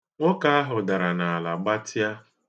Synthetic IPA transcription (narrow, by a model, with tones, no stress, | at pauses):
ʊ˦ka˦a˦ɦʊ˨da˨ɾa˨na˨a˨la˨ɡ͡ba˦ta˦